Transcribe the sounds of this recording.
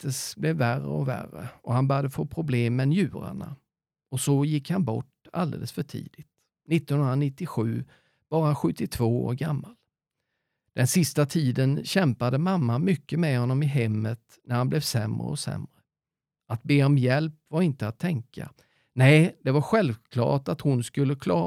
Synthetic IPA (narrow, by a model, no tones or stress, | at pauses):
t̪əsblɛvːærə̰ɔvæ̰rːə̰ʔɔhanbœːɾjad̪əfoːpʰɾʊbleːmːɛnjʉ̟ːɾa̰ɳa̰ | ɔsɔjɪkːhanbɔ̰ʈa̰ld̪ḛːləsfœʈʰḭːd̪̥ɪt̪ | nɪt̪ːɔnhɵnɾanɪt̪ːɪɧʉ̟ː | b̥ɑːɾaɧɵt̪ːɪt̪ʰv̥oːo̰ːɾɡamːal | d̪̥ɛnsɪst̪at̪ʰiːd̪ənɕɛmpad̪əmamːamʏkːəmɛhɔnːɔmɪɦɛmːət̪ | næɾhanblɛvsɛmɾə̰ɔsɛ̰mɾə | at̪̚beːɔmjɛlpvaɾɪnt̪əat̪ʰːɛŋka̰ | nɛɪd̪̥ɛvaɾɧɛlvkʰlɑ̰ːʈat̪hʊnskɵlːəkʰlɑː